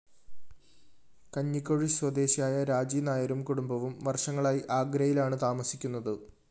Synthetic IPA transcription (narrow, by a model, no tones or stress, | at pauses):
kɐɲːikːoɻiswɐd̪e̞ːɕijaːjɐɾaːd͡ʑiːnaːjɐɾumkuɽumbɐʋumʋɐrʂɐŋːɐɭaːjiʔaːɡɾɐjilaːɳɨt̪aːmɐsi̥kʲːun̪ːɐðɨ